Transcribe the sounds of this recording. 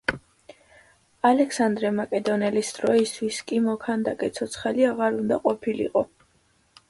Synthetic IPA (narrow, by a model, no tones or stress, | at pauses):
alɛksand̪ɾɛmakʼɛd̪ɔnɛlisd̪̥ɾɔist̪ʰwiskʼimɔkʰand̪akʼɛt̪sʰɔt̪sʰχaliaʁaɾund̪aqʼɔpʰilḭqʼɔ